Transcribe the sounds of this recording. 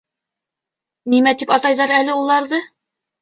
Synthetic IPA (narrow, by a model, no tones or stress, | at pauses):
nimæt̪ipɑt̪ɑjðɑɾælɘulˠɑɾðɤ